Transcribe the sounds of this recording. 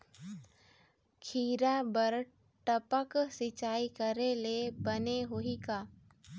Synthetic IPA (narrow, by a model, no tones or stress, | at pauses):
kʰiːɾabəɾ | ʈəpəksɪt͡ʃaːikəɾelebəneɦoikaː